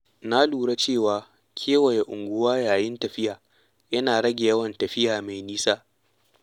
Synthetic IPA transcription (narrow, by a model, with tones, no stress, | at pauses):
na˦luː˨ɽa˦t͡ʃeː˦˨waː˨ | kʲʰeː˦wɐ˨ja˨ʔʊ˨ŋɡʷʊ˦waː˦jaː˨jɪ˦ntɐ˨ɸɪ˦jaː˨ | jɐ˦naː˨ɽɐ˦ɡʲe˨jɐ˦wɐ˨ntɐ˨ɸɪ˦jaː˨ma˨jniː˦saː˦